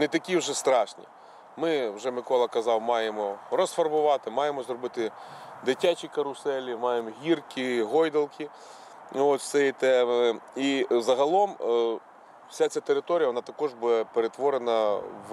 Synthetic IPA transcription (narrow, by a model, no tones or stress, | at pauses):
net̪ɐkʲiwʒɛst̪ɾɑʃnʲḭ | mɪwʒɛmɪkɔlˠɐkɐzɑwmɑjemɔɾɔsfɐrbʊʋɑt̪ɪmɑjemɔzɾɔbɪt̪ɪd̪ɪtʲːat͡ʃikɐɾʊsɛlʲimɑjemɔɦʲirkʲiɦɔjd̪ɐlˠkʲi | ɔt̪ʲsɛjit̪ɛizɐɦɐlˠɔm | wsʲasʲat̪eɾɪt̪ɔɾʲjɐʋɔnɑt̪ɐkɔʐbud̪ɛpeɾet̪ʋɔɾenɐw